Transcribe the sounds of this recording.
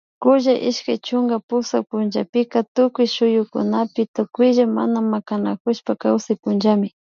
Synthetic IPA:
kʊʒaʔɪʃkajt͡ʃʊŋɡapʊsak̚pʊnʒapɪkat̪ʊkʊjʃʊjʊkʊ̰napɪt̪ʊkʊjʒama̰namakanakʊʃpakawsajpʊnd͡ʒamɪ

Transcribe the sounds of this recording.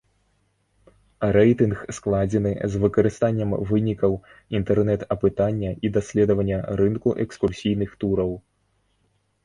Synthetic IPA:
ɾɛjt̪ɨnxsklˠad͡zʲɛnɨzvɨkɐɾɨst̪anʲːɐmvɨnʲikɐw | int̪ɛrnɛt̪ɐpɨt̪anʲːɐid̪asʲlʲɛd̪ɐvɐnʲːɐɾɨnkuʔɛkskursʲijnɨxt̪uɾɐw

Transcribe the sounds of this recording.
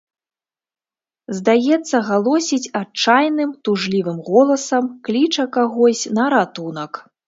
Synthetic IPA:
zd̪ajɛt̪sːɐɣalˠɔsʲit͡sʲat͡ʂajnɨmt̪uʐlʲivɨmɣɔlˠɐsɐmklʲit͡ʂɐkaɣɔsʲnɐɾat̪unɐk

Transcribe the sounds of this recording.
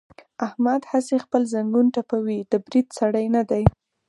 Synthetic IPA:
ahmad̪hasexpəlzaŋɡunʈapawid̪əbɾid̪saɽəjnad̪aj

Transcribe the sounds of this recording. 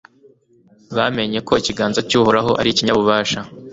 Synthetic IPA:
βame̞ɲe̞ko̞iciɡaːnzacuːhoɾaɦo̞ʔa̰ɾiciɲaβuβaːʃa

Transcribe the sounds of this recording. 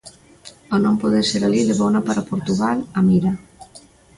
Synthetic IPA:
onõmpoðeɾseɾaliðeβownapaɾapoɾt̪uɣalamiɾa

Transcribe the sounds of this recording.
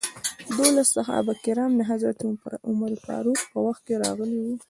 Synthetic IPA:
d̪olast̪axa̰bakɪɾɑmnaɦazat̪uʊmaɾipɑ̰ɾuxpəwaxt̪̚keɾɑ̰ɣəliwi

